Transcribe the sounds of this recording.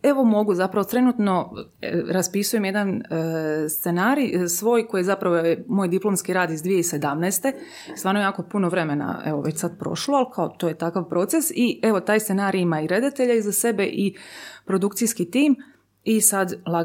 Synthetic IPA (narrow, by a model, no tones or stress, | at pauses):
e̞ʋo̞mo̞ɡuzapɾaʋot̪ɾe̞nut̪no̞ | ɾaspisuje̞mjed̪an | st̪se̞naːɾijsʋo̞ːjko̞jezapɾaʋojemoːjd̪iplˠo̞mskiɾaːd̪izd̪ʋije̞ise̞d̪amnɛːst̪e̞ | ist̪ʋaːɾnojaːko̞punoʋɾe̞mena̰ḛʋoʋet͡ɕsad̪pɾo̞̰ʃloalkʰaot̪ojet̪akaʋpɾo̞t̪se̞sie̞ʋo̞t̪aːjst̪senaːɾijimaiɾe̞d̪at̪e̞ʎaizase̞be̞ʔipɾo̞d̪ukt̪sijskit̪iːm | isad̪lˠa